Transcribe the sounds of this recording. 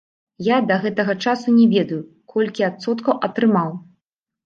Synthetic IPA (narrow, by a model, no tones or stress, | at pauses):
jad̪ɐɣɛt̪ɐɣɐt͡ʂasunʲɛvʲɛd̪ɐju | kʰɔlʲkʲiat̪sɔt̪kɐwʔɐt̪ɾɨmaw